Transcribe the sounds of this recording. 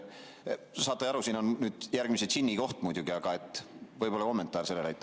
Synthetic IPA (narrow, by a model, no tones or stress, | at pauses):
sɑːt̪ːˑɑjɑɾusiːnonnyːd̪̥jærɡ̥miset̪sinʲːiko̞ht̪mujd̪juɡ̥iɑɡ̥ɑe̞t̪ːˑvɤjbo̞lɑko̞mːe̞nt̪ːˑɑːrse̞lːelɑjt̪ːˑ